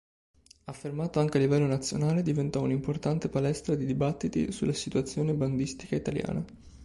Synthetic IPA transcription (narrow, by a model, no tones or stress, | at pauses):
afːermaːt̪oaŋk̟ealːivɛlːonat̪sːjonaːled̪ivent̪ɔunimport̪ant̪epalɛst̪ɾad̪id̪ibat̪ːit̪ḭsulːasit̪uat̪sːjoːneband̪ist̪i̥kait̪alja̰ːna